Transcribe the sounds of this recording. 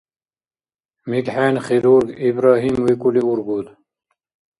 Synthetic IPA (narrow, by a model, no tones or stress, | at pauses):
miɡħeːnχiɾuɾɡibɾaːɦimwikuliuɾɡud̪